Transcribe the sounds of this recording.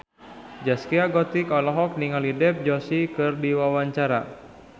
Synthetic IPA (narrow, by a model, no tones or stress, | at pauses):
d͡ʒaskiaɡɔt̪ikɔlɔɦɔk̚niŋalidɛp̚d͡ʒɔsikɨrdiwawaɲt͡ʃaɾa̰